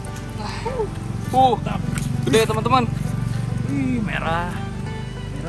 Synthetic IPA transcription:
uht̪audet̪əmənt̪əman | imḛɾah

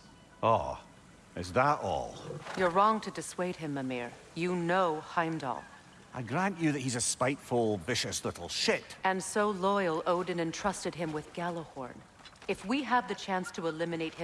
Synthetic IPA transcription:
ɔ̰ | ɪ̰zðəʔɔ̰lˠjə˞ɹɔ̃ŋtʰɨdɨsweɪd̚ɨ̃mːəmɛ̰ɹ | jɨnoʊhãɪ̃mdɔ̰lˠ | ʔaɪɡɹãnt͡ʃɨðɨʔ̚hizɨspaɪtfəl̩ˠvɪʃɨslɪʔl̩ˠʃɪʔɨ̃nsoʊlɔɪl̩ˠoʊɾɨ̃n̩ɨ̃ntʰɹ̥ʌstɨd̚ɨ̃mwɨðɡ̥ælˠəhɔ̰ɹn | ɨfwiəvðɨt͡ʃʰæ̃nstʰəəlɪ̃mɨneɪt̚hɨ̃

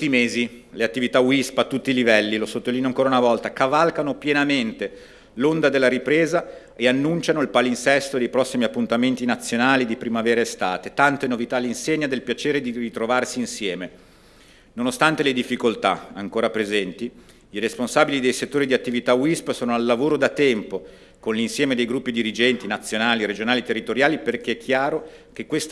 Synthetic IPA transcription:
ut̪ːimeːzileat̪ːivit̪awispat̪ːut̪ːilivɛlːilosot̪ːoliːnjoaŋkoːɾaunavɔlt̪akavalkanopjenament̪e | lond̪ad̪elːaɾipɾeːza | eanːunt͡ʃanoilpalinsɛst̪od̪ejpɾɔsːimiapːunt̪ament̪inat̪sːjonaːlid̪ipɾimavɛːɾaest̪aːt̪et̪ant̪enovit̪alːinseɲːad̪elpjat͡ʃeːɾed̪irit̪ɾovarsiːnsjɛːme | nonost̪ant̪eled̪ifːikolt̪a̰a̰ŋkoːɾapɾezɛnt̪i | iresponsaːbilid̪ejset̪ːoːɾid̪iat̪ːivit̪awispsoːnoalːavoːɾod̪at̪ɛmpo | konlinsjɛːmed̪ejɡɾupːid̪iɾid͡ʒɛnt̪inat̪sːjonaːliɾed͡ʒonaːlit̪erːit̪oɾjaːliperk̟eɛkʰːjaːɾok̟ekːwest̪

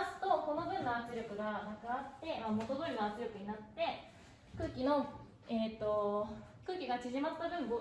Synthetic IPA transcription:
asɨ̥t̪o̞ko̞no̞bɯ̟̃nːaat͡sɨɾʲo̞kɯ̟ɡanakɯat̪ːe̞mamo̞t̪od̪oɾinoat͡sɨɾʲjo̞kɯ̟ɲ̟inat̪ːe̞ | kɯ̟ːkʲino̞ | et̪ːo̞kɯ̟ːkʲiɡat͡ɕiʑimat͡sɨ̥t̪abɯ̟̃mbo

